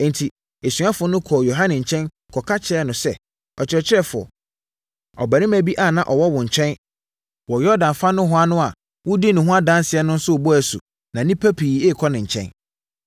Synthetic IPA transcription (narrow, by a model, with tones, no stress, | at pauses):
n˨tʰi˨ | e˨sɥa˦fʊ˨nʊ̃˦kʰɔ˨jo˨ɦã˦nɪ̃˨ɲ̩˨t͡ɕʰɛ̃˦n | kʰɔ˨kʰa˦t͡ɕʰɛ˦ɛ˦nʊ̃˨sɛ˦ | ɔ˨t͡ɕʰɪ˨ɾɛ˨t͡ɕʰɪ˦ɾɛ˦fʊ˨ɔ̰˨ | ɔ˨bæ˨nɪ̃˦mæ˨bi˦ʔa˨nã˨ʔɔ˨wɔ˦wʊ̃˨ɲ̩˨t͡ɕʰɛ̃˦n | wɔ˨jɔ˦dã˨nfa˦nʊ̃˦ɦʊ˦a˦nʊ̃˦a˨ | wʊ˦di˦nʊ̃˨ɦʊ̃˦a˦dã˦n˦sɪ˨ɛ˦nʊ̃˦n̩˦sʊ˦˨bɔ˦æ˨sṵ˨ | nã˨nĩ˦pʰæ˦pʰiː˨e˦˨kʰɔ˦nɪ̃˨ɲ̩ʰ˨ɛ̰̃˦n